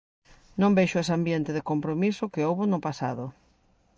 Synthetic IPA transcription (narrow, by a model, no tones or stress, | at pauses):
nõmbeʃʊesambjent̪ɪðɪkompɾomisʊkɪowβonʊpasa̰ðʊ